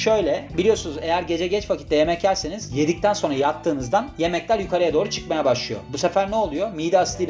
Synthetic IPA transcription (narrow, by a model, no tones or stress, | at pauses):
ʃø̞jlʲɛbilʲijo̞sunuze̞jæɾɟe̞d͡ʒɛɟɛt͡ʃfakʰi̥t̪ːɛje̞mɛc̚ːæɾʲse̞niz̥je̞d̪ic̚t̪ʰænso̞nɾajat̪ʰːɯːnɯzd̪anje̞mɛclʲæɾjykʰaɾajad̪o̞ːɾut͡ʃʰɯ̥kmajɛbaʃlˠɯjo̰busefæɾnɛolˠujo̞mijd̪aːslˠiː